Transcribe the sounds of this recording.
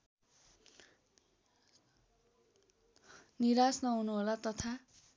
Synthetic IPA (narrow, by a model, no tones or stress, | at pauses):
niɾasnʌɦunuɦolat̪ʌt̪ʰa